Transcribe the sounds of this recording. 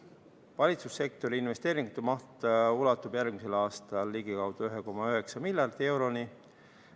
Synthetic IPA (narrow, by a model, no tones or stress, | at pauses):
vɑlʲit̪susːe̞k̚t̪o̞ɾiinve̞st̪eːɾiŋɡ̥ut̪ːemɑht̪ulɑt̪ːˑub̥jærɡ̥mise̞lɑːst̪ɑlːiɡ̥ikɑwd̪̥ɑøɦe̞ko̞mɑøɦe̞ksɑmilʲjɑrd̪ie̞wɾo̞ni